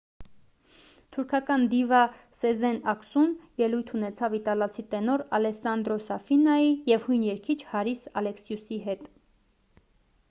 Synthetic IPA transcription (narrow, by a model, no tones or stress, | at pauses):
t̪ʰuɾkʰɑkɑnd̪ivɑ | sɛzɛnɑksumjɛlujt̪ʰunɛt͡sʰɑvit̪ɑlɑt͡sʰit̪ɛnɔɾɑlɛsɑnd̪ɾɔsɑfinɑijɛvhujnjɛɾkʰit͡ʃʰhɑɾisɑlɛksjusiɦɛt̪